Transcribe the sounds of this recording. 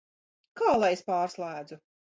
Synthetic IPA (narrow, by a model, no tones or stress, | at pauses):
kaːlˠajespaːɾslˠæːd̪zu